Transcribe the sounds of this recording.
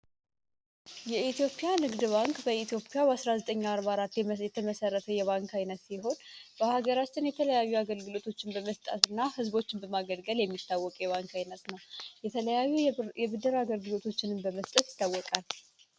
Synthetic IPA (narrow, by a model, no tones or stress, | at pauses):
jɛit̪ʰijo̞pʼijanɨɡd̪ɨβaŋkʼbəit̪ʰijo̞pʼijabasɾazət̪ʼəɲːaɾβaɾat̪ːjjɛt̪ʰəməsərːət̪ʰəjɛβaŋkʰajnət̪siɦo̞nb̥əhaɡəɾat͡ʃːɪnjɛt̪ʰələjajːuaɡəlɡɨlo̞t̪ʰo̞t͡ʃːɪnbəməst̪ʼət̪ɨnːahɨzbo̞t͡ʃːɪnbəmaɡəlɡəljɛmːit̪ʰːawːɔkʼjɛβaŋkajnət̪nəwjɛəəjajːujɛbɨd̪əɾaɡəlɡɨlo̞t̪ʰo̞t͡ʃːɪnɨmbəməst̪ʼət̪jɪ̥t̪ːawːɔkʼal